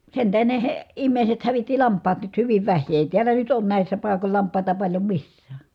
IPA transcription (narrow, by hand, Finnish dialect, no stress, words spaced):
sen tæhen ne he imːeˑi̯set hæʋitːi lɑmpˑɑːt nyt hyʋiʋ ʋæhˑiː eˑi tiælˑæ nyt oːn næˑisːæ pɑikol lɑmpˑɑˑitɑ pɑlʲjo misːæː